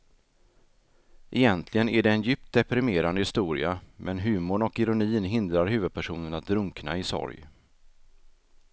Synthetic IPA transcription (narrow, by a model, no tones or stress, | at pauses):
ʔɛjɛnt̪ʰlɪɡənæɖɛːnjʏːp̚t̪̚d̪ɛpɾɪmeːɾand̪əhɪst̪uːɾɪ̰amʔɛnɦʉ̟ːmʊɳɔkɪɾʊniːnɦɪnd̪ɾaɾɦʉ̟ːvɵd̪̚pʰæʂuːnənat̪̚d̪ɾɵŋkna̰ɪsɔ̰ɾj